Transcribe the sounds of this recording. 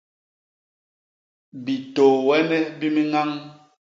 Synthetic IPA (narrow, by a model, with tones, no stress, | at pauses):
bi˨toː˨wɛ˦nɛ˦bi˦mi˦ŋa˦ŋ